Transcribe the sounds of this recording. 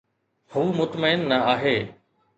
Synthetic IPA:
huːmʊt̪məɪnːɐaːɦeː

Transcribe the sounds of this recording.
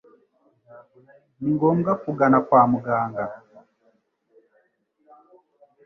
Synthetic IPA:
niŋɡɔmɡakuɡanakwaːmuɡaːŋɡa

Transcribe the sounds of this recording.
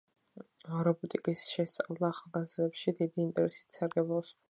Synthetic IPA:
ɔɾɔbut̪ʼikʼisʃɛst̪ʼavlˠaːχalˠɡazɾɛpʃid̪id̪iːnt̪ʼɛɾɛsi̥t̪saɾɡɛblˠɔs

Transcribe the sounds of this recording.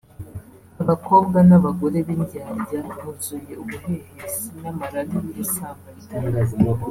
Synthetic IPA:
aβakʰo̞ːb̚ɡanaβaɡo̞ɾe̞βinɟaːɾɟamuzuje̞uɡuhehesinamaɾadiβiɾisamaitaːŋɡaza

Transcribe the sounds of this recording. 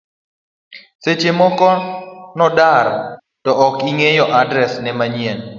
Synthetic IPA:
set͡ʃemɔkɔnɔdaɾ | tɔʔɔkiŋejɔʔadɾɛsnɛmaɲiɛn

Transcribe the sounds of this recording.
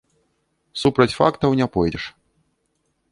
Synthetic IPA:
supɾɐt͡sʲfa̰kt̪ɐwnʲapɔjdʲɛʂ

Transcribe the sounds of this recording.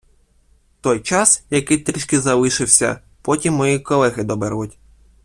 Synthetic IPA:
t̪ɔjt͡ʃɑsjɐkɪt̪ɾʲiʃkɪzɐlˠɪʃɪwsʲɐ̰ | pɔtʲimːɔjikɔlˠɛɦɪd̪ɔbɛrʋʊtʲ

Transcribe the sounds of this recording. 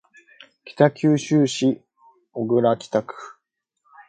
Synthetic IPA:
kʲi̥t̪akʲɨːɕɨːɕi | oɡɯ̟ɾakʲi̥t̪akɯ̟̥

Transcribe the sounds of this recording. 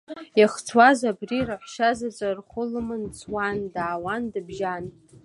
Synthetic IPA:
jaχt͡sʰwazabriraħʃazat͡sʼarχʷʊlɨmɨnt͡sʰwandaːwandɨbʒan

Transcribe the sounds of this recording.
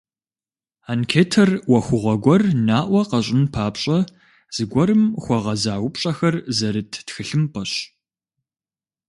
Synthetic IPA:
ankʰeːtʰɐrwɐxʷʊʁʷɐɡʷɔrnaːʔʷɔqɐɕʼɪnpʰaːpɕʼɐ | z̥ɨɡʷɔɾɨmxʷɔʁɐzaːwʊpɕʼɐxɐrzɐɾɨtʰtxɨɬɨmpʼɐɕ

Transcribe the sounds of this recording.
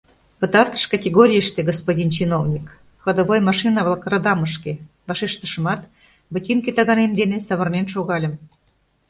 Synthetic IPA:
pət̪ɑrt̪ə̥ʃkɑtʲeɣoɾʲijəʃt̪eɡospodʲint͡ɕinovnʲik | xə̆d̪oβojmɑʃinɑβlˠɑkrəd̪ɑməʃke | βɑʃeʃt̪əʃəmɑt̪ | bətʲinket̪ɑɣɑnemd̪enesɑβərnenʃoɣɑlʲə̆m

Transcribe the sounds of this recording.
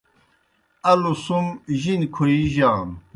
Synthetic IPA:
ɐlusumʑinkʰuiʑaːn

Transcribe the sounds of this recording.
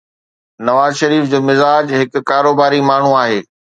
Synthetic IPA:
nɐʋaːzʃɐɾiːfd͡ʑoːmɪzaːd͡ʑɦɪkʊ̆kːaːɾoːbaːɾimaːɳ̤uaːɦeː

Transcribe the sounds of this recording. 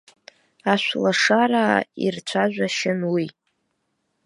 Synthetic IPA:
aʃʷlaʂaɾaːḭrt͡ɕʷʰaʒʷᶣaʃɪnwi

